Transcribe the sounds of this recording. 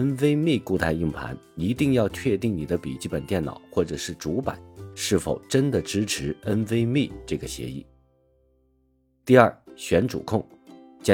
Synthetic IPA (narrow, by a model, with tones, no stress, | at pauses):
ə˥nwe˥ɪmi˥˧ku˥˧t̪ʰa˥˧ɪi˥˩ŋpʰa̰˧˥n | i˧˥t̪i˥˧ŋjɑ˥˧ʊt͡ɕʰɥɛ˥˧t̪i˥˩ŋni˨˩d̪ə˦pḭ˨˩t͡ɕi˥˩pə˨˩nt̪jɛ˥˩nɑ̰˨˩ʊxwɔ˥˩ʈ͡ʂɤ˨˩ʂɻ̩˥˩ʈ͡ʂu˧˥pa̰˨˩˦nʂɻ̩˥˩fo˨˩ʊʈ͡ʂə˥nd̪ə˨ʈ͡ʂɻ̩˥ʈ͡ʂʰɻ̩˧˥ə˥nwe˥ɪmi˥˩ʈ͡ʂɤ˥˩ɡə˩ɕjɛ̰˧˥ḭ˥˩ | t̪i˥˧ɐ˞˥˩ɕɥɛ˧˥nʈ͡ʂṵ˨˩kʰʊ˥˩ŋt͡ɕjɑ˥